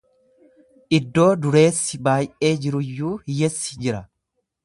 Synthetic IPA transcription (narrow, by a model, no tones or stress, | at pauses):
ʔɪd̪ːo̞ːd̪ʊɾe̞ːsːɪbaːjʔeːd͡ʒɪɾʊjːuːhɪjɛsːɪ̥d͡ʒɪɾɐ